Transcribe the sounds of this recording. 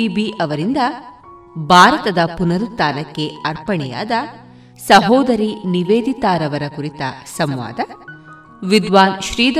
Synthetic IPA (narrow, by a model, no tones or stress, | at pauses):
ibiɐʋɐɾind̪ɐ | bʱaːɾɐt̪ɐd̪ɐpunɐɾut̪ːaːnɐkːe̞ɐɾpɐɳɛja̰ːd̪ɐ | sɐɦɔːd̪ɐɾiniʋeːd̪it̪aːɾɐʋɐɾɐkuɾit̪ɐsɐmʋa̰ːd̪ɐ | ʋid̪ʋaːnʃɾiːd̪